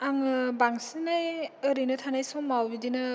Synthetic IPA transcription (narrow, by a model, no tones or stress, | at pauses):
aŋɯbaŋsinajɯɾinɯtʰanajsɔmːawbidinɯ